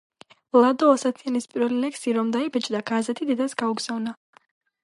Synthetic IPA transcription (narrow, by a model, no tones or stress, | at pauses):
lˠad̪ɔasat̪ʰianispʼiɾvɛlilɛksiɾɔmd̪aibɛt͡ʃʼd̪aɡazɛt̪ʰid̪ɛd̪asɡauɡz̥avna